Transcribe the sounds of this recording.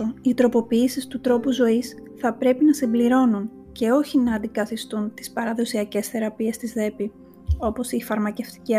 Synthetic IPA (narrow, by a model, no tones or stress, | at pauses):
oit̪ɾo̞po̞piːsist̪ut̪ɾo̞puzo̞isθɐpɾe̞pinɐsimbliɾo̞nun | ce̞o̞çinɐːnd̪ikɐθist̪unt̪i̥spɐɾɐðo̞siɐce̞sθe̞ɾɐpie̞st̪izðe̞pi | o̞po̞sifɐɾmɐce̞ft̪i̥ci